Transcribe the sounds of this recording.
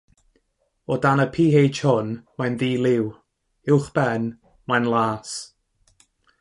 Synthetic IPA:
ɔdanəpʰiːejd͡ʒhʊnmajnðiːlɪw | ɪwχb̥ɛn | majnlˠaːs

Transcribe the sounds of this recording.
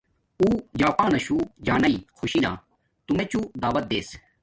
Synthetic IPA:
uːd͡ʑaːpaːnɐʃuːd͡ʑaːnɐiːxʰʊʃiːna̰ː | t̪umẽːt͡ɕud̪aːʋɐt̪̚d̪eːs

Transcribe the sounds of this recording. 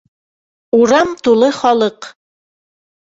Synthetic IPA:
uɾɑmt̪ulˠɤχɒlˠɤq

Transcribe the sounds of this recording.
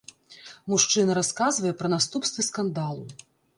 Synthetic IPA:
muʂt͡ʂɨnɐɾaskazvɐjɛpɾɐnast̪upst̪vɨskand̪alˠu

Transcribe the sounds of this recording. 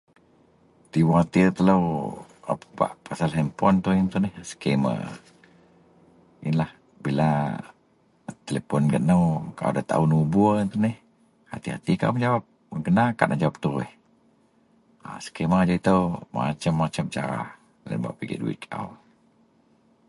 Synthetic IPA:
t̪iwahat̪iət̪ələw | a̰papa̰ʔpasalɦɛmpɔnt̪uint̪unɛhsə̥kemə̰ | ʔinlah | bila | t̪elepɔnɡənəwkaʔa̰dat̪a̰unubuint̪unɪh | ha̰t̪iha̰t̪ikaʔumd͡ʒawap̚ | ɡənaka̰ʔnʔaʔd͡ʒawap̚t̪uɪ̰h | asə̥keməd͡ʒait̪əwma̰t͡ʃəmːat͡ʃəmt͡ʃaɾa̰ | la̰nba̰ʔpiɡɛ̰ʔduwḭkʰa̰w

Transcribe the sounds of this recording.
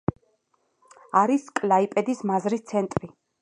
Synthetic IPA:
aɾiskʼlaipʼɛd̪ismazɾist̪sʰɛnt̪ʼɾi

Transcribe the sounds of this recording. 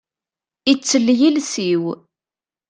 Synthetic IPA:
it͡sːəlːjilsiw

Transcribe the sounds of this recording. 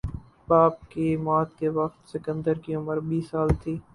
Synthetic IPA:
baːp̚kimaːt̪keʋɐxt̪sɪkə̃nd̪əɾkiʊməɾbiːsːaːlt̪ʰiː

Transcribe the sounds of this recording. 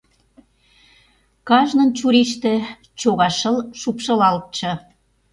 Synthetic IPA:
kɑʒnə̆nt͡ɕuɾiʃt̪ĕ | t͡ɕoɣɑʃəlʃupʃɤ̆lɑlt̪̚t͡ɕɤ̆

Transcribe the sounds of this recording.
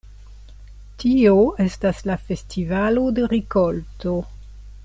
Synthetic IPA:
tioe̞staslafe̞stʰivalodeɾikolto

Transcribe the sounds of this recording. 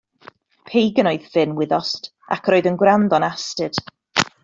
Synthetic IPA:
pʰejɡənoɨðvɪnwɪðɔst | a̰kʰroːɨðənɡwɾandɔnastɨd̥

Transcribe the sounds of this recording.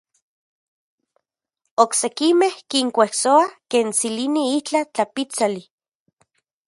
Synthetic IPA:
oksekimehkiŋkʷehsoakeːnt͡siliniit͡ɬat͡ɬapit͡sali

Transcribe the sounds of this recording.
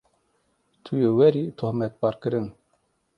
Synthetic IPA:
t̪ʰujewɛɾit̪ʰohmɛt̪̚bɑɾkɨɾɨn

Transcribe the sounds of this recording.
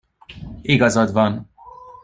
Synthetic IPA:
iɡɒzɒd̪vɒn

